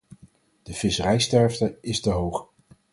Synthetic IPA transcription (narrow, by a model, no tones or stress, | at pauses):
d̥əv̥ɪsərɛjstɛɹftəɪstəɦowχ